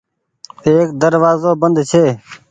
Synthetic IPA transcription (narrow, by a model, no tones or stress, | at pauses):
eːkd̪əɾʋaːzoːbənd̪t͡ʃʰeː